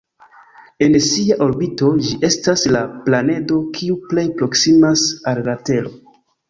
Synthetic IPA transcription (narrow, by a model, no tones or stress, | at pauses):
e̞nsiaʔo̞ɾbito̞d͡ʒiʔe̞staslaplane̞do̞kʰiuple̞jpɾo̞ksimasallate̞lo̞